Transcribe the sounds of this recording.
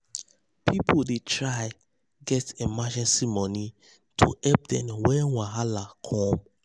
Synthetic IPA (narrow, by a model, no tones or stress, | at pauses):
pʰipʰodetʰɹaɪ | ɡɛtemad͡ʒɛ̃nsimɔni | tʰṵɛp̚dɛ̃mwɛwãɦalakʰɔ̃m